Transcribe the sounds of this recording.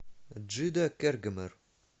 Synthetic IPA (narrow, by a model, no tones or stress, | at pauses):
d̪ʒid̪ækːæɾɡəməɾ